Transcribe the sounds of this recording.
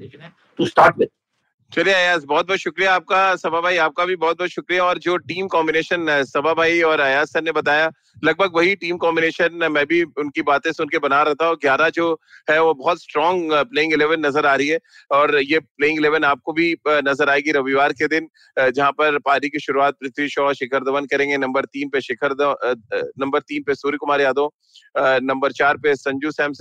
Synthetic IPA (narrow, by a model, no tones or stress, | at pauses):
t̪usʈaːʈmɪt̪ | t͡ʃɐlieɐjaːzbɔːt̪̚bɔːt̪ʃʊkɾijaːp̚kasɐbabʱaːiaːp̚kabʱibɔːt̪̚bɔːt̪ʃʊkɾijaɔːɾd͡ʒoːʈiːmkɔ̃ːmbɪneːʃənsɐbʱabʱaːiɔːɾɐjaːzsɛnnebɐt̪aːja | lɐɡ̚bʱəɡʋɐɦiʈiːmkɔ̃ːmbɪneːʃənmɛ̃ːbʱiʊnkibaːt̪ẽsʊnkebɐnaɾɛɦt̪aɦũɡjaːɾad͡ʒoːɦɛʋobɔɦɔt̪sʈɾɔ̃ːŋɡpleːɪ̃ŋɡɪleːʋənːɐzəɾaːɾɐɦiɦɛː | ɔːɾjepleːɪ̃ŋɡɪleːʋənaːp̚kobʱinɐzəɾaːeːɡiɾɐʋiʋaːɾked̪ɪn | d͡ʒɐɦãpɐɾpaːɾikiʃʊɾuaːt̪̚pɾɪt̪ʰʋiʃɔːʃɪkʰəɾd̪ɐʋənkɐɾẽːŋɡenɐ̃mbəɾt̪iːnpeʃɪkʰəɾd̪ | nɐ̃mbəɾt̪iːnpesuːɾikʊmaːɾejaːd̪õː | nɐ̃mbəɾt͡ʃaːɾpesɐ̃ɲd͡ʒusɛːms